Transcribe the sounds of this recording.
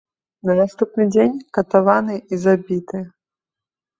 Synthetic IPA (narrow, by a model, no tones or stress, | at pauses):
nɐnast̪upnɨd͡zʲenʲkɐt̪avanɨizabʲit̪ɨ